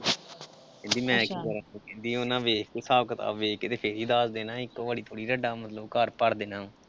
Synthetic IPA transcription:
ɪ̃nd̪iːmɛ̃ːkikəɾəkẽnd̪iːoːnãːʋeːk̪̚esaːʋkət̪a̰ːʋeːkt̪eːpʰeːɾiːd̪aːsd̪eːnãːɪkːõːbəɽiːt̪ʰoːɽiːɾəɖaːmət̪ləbkəɾpəɽd̪eːnãː

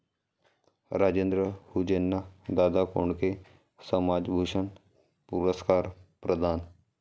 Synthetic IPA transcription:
ɾaːd͡ʒeːnd̪ɾəhud͡ʒenːad̪aːd̪ako̰ɳke | səmaːd͡ʒbʱuːʂən | puɾəskaːɾpɾəd̪ʱaːn

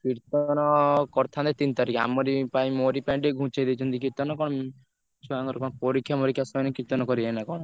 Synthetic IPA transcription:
kiɾt̪ɔnɔkɔɾt̪ʰand̪et̪int̪aɾikea̰mɔɾipaĩmoɾipãɖeɡʱũt͡ʃajd̪et͡ʃʰɔnt̪ikiɾt̪ɔnɔkɔɽɔ | sɔaŋɡɔɾɔkɔɽ̃ɔpɔɾikʰjamɔɾikʰjasɔnekiɾt̪ɔnɔkɔɾienakɔɽ̃ɔ

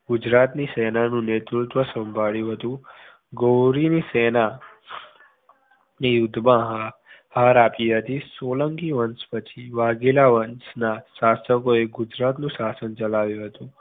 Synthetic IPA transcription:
ɡʊd͡ʒɾat̪nisɛnanũnet̪ɾut̪ʋəsə̃mbʱaɭjũɦət̪ũ | ɡowɾinisɛna | nejʊd̪ʱbãɦahaɾapiɦət̪isoləŋɡiʋənspət͡ʃʰiʋaɡelaʋənsnaʃasəkoeɡʊd͡ʒɾat̪nũʃasənt͡ʃəlaʋjũɦət̪ũ

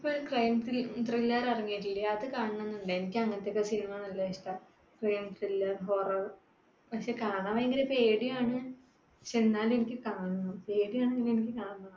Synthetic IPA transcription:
ipːoːɾkrɐjmt̪ilt̪rilːɐrɐriŋːijɐʈ̬ːilːɐaːðɨkaːɳɨɳenːuɳɖɨenikʲːɨɐŋːɐnɐt̪ːeokːɐsinimanɐlːɐeʂʈɐ | krɐjmt̪rilːɐrɦo̞ːrɐr | pɐkʂe̞ːkaːnaːʋɐeŋɡilepe̞ːɽijaːɳɨ | t͡ɕe̞nːaːle̞nikʲːɨkaːɳunːupe̞ːɽijaːɳeŋːɡileenikʲːɨkaːɳa

